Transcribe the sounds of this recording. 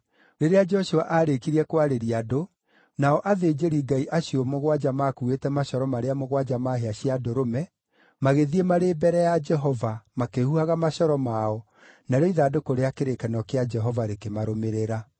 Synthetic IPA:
ɾeɾead͡ʒɛɔʃoaʔaɾekiɾiɛkwaɾeɾiado | naɔʔaðed͡ʒeɾiɡaiʔaɕjɔmoɣwad͡ʒamakuetɛmaɕɔɾɔmaɾeamoɣwad͡ʒamaɦeaɕiadoɾomɛ | maɣeðiemaɾebɛɾɛjad͡ʒɛɦɔvamakehuhaɣamaɕɔɾɔmaɔ | naɾɔiðaːdokoɾeakeɾekɛnɔkead͡ʒɛɦɔvaɾekemaɾomeɾeɾa

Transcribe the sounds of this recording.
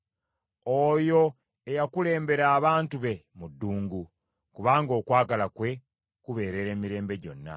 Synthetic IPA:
ojo̞ | ejakule̞ːmbe̞ɾaːβaːntuβe̞mudːuːŋɡu | kuβaːŋɡo̞ːkwaːɡalakwe̞ | kuβe̞ːɾe̞ɾe̞ːmiɾe̞ːmbe̞ɟo̞̰nːa̰

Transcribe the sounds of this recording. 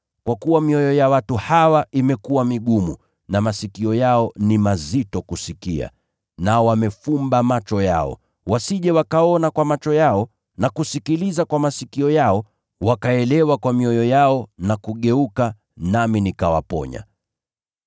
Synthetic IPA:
kwakuwamiɔjɔjawatuhawaimɛkuwamiɠumu | namasikiɔjaɔnimazitɔkusikḭa̰ | naɔwamɛfumbamat͡ʃɔja̰ɔ̰ | wasiʄɛwakaɔnakwamat͡ʃɔjaɔ | nakusikilizakwamasikiɔjaɔ | wakaɛlɛwakwamiɔjɔjaɔnakuɠɛuka | naminikawa̰pɔ̰ɲa̰

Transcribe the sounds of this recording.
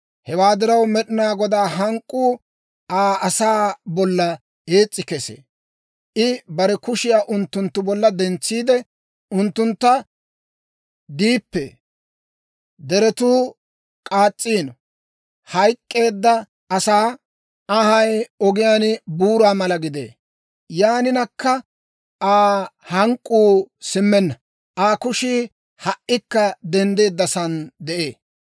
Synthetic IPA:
hɛwaːd̪ɪɾɐwmɛɗɪnaːɡɔd̪aːɦɐŋkʼːuː | aːɐsaːbɔlːɐ | e̞ːt͡sʼːɪkɛsḛː | ʔɪbɐɾɛkʊʃɪjaːʔʊnt̪ːʊnt̪ːʊbɔlːɐd̪ɛnt͡sːiːd̪ɛ | ʊnt̪ːʊnt̪ːɐ | d̪iːpːɛ | d̪ɛɾɛt̪uː | kʼaːt͡sʼːiːnɔ | hɐjkʼːe̞ːd̪ːɐ | ɐsaː | ɐhɐjɔɡɪjaːnbuːɾaːmɐlɐɡɪd̪ḛː | jaːnɪnɐkːɐ | aːhɐŋkʼːuːsɪmːɛnːɐ | aːkʊʃiː | hɐʔɪkːɐd̪ɛnd̪e̞ːd̪ːɐsɐnd̪ɛʔeː

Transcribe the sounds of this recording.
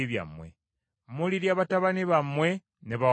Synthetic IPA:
iβja̰mwḛ | muliɾjaβataβaniβamwe | neβa

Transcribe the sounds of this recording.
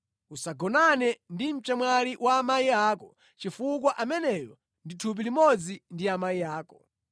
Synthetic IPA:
usaɡɔnanɛndim̩t͡ʃɛmwaliwʔaːmaiaːkɔ | t͡ʃifuk̬waʔamɛnɛjɔ | nditʰup̬ilimɔd͡zindiamaiaːkɔ

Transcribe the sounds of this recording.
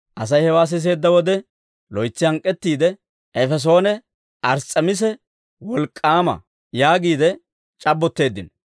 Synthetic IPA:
ʔɐs̬ɐjhɛwaːs̬ɪs̬e̞ːd̪ːɐwɔd̪ɛ | lɔjt͡sːɪhɐŋkʼːɛt̪ːiːd̪ɛ | ʔɛfɛs̬o̞ːnɛ | ʔɐɾt͡sʼːɐmɪs̬ɛ | wɔlkʼːaːmɐ̰ | jaːɡiːd̪ɛ | t͡ʃʼɐbːɔt̪ːe̞ːd̪ːɪnɔ

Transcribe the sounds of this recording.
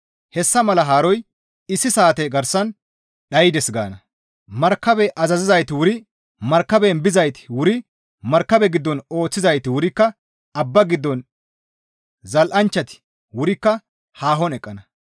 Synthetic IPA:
hɛsːɐmɐlɐɦaːɾɔj | ɪsːɪsaːt̪ɛɡɐɾsɐn | ɗɐjɪd̪ɛsɡa̰ːnɐ | mɐɾkːɐbɛʔɐzɐzɪzɐjt̪ɪwʊɾɪ | mɐɾkːɐbɛnbɪzɐjt̪ɪ̥wʊɾɪ | mɐɾkːɐbɛɡɪd̪ːɔno̞ːt͡sːɪzɐjt̪ɪwʊɾɪkːɐ | ɐbːɐɡɪd̪ːɔn | zɐlʔɐnt͡ʃːɐt̪ɪ̥ | wʊɾɪkːɐ | haːɦɔnɛkʼːɐnɐ

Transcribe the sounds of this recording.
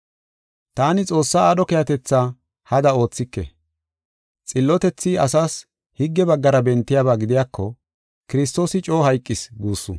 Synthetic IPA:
t̪aːnɪt͡sʼo̞ːsːaːɗɔkɛjɐt̪ɛt͡sːaː | hɐd̪ɐo̞ːt͡sːɪkːɛ̰ | t͡sʼɪlːɔt̪ɛt͡sːɪɐsaːs | hɪɡːɛbɐɡːɐɾɐbɛnt̪ːɪjaːβaːɡɪd̪ɪjaːkːɔ | kɪɾɪs̬t̪o̞ːsɪt͡ʃʼo̞ːhɐjkʼːɪsɡuːsːʊ̰

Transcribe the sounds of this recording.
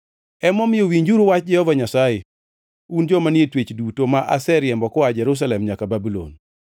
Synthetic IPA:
ɛmɔmɪjowiɲd͡ʒuɾowat͡ʃd͡ʒɛhɔvaɲasaje | und͡ʒɔmanjetwet͡ʃdutomaʔa̰sɛɾjɛmbɔkɔad͡ʒɛɾus̬alɛmɲakababulo̰n

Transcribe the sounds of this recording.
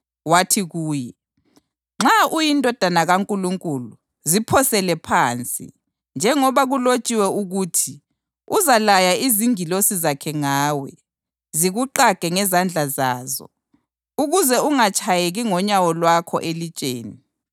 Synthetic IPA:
watʰiɣuːjɛ | ŋ͡ǁaʔujindʱʼɔd̥ʱanaɣaŋkʼuluŋkʼulu | zipʰɔsɛlɛpʰaːnt͡sʼḭ | nd͡ʒʱɛŋɔβaɣulot͡ʃʼiwɛuɣuːtʰi | uzalajaiziŋilosizakʰɛŋaːwɛ | ziɣuǃaɡ̥ʱɛŋɛzand͡ɮʱazaːzɔ̰ | uɣuzɛuŋat͡ʃʰʼajeɣiŋɔɲawɔlwakʰɔ̰ʔelit͡ʃʼḛːni

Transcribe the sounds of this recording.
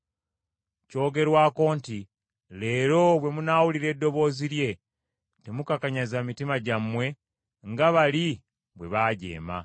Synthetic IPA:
co̞ːɡe̞ɾwaːko̞ːnti | le̞ːɾo̞βwe̞munaːwuliɾe̞dːo̞βo̞ːziɾje̞ | te̞mukakaɲazamitimaɟamːwe̞ | ŋɡaβali | βwe̞βaːɟe̞̰ːma̰

